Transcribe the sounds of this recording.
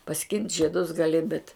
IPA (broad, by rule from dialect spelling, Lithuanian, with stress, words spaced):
pɐˈsʲkʲɪnʲtʲ ʒʲiɛˈdʊs ɡɐˈlʲɪ bʲɛt